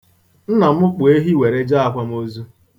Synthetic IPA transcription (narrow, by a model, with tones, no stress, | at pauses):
n̩˦na˨mʊ˦k͡po˨e˦ɦi˦we˨ɾe˦d͡ʒa˦a˨kʷa˦m̩˦o˦zu˦